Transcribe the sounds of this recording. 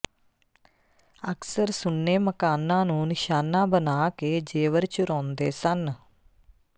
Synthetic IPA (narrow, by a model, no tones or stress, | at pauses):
əksəɾsʊnːeːməkaːnãːnũːnɪʃaːnãːbənaːkeːd͡ʒeːʋəɾt͡ʃʊɾɔ̃ːnd̪eːsən